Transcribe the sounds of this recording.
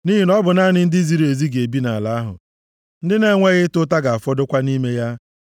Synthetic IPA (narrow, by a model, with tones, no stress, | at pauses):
ni˦ɦi˨nɔ˦bʊ˨na˦nɪ˦n̩˦dɪ˦zi˨ɾe˨zi˦ɡe˨bi˦na̰˨la˨a˦ɦʊ̰˨ | n̩˦dɪ˦ne˦ŋʷe˦ɣɪ˦tʊ˦ta˦ɡa˨a˨fɔ˦dʊ˦kʷa˦ni˦me˦ja˦